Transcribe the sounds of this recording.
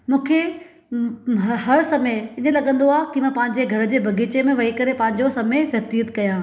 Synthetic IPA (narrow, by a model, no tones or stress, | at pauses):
mũːkʰe | ɦɐɾsɐmeɪnə̃lɐɠə̃nd̪oaːɦkimãːpɐ̃ɦɪ̃ɲ̆d͡ʑeɡʱɐɾ̆d͡ʑeːbʱɐɡʱiːt͡ɕemẽʋɐɦikɐɾepɐ̃ɦɪ̃ɲ̆d͡ʑosɐmefjɐt̪ijət̪kɐjãː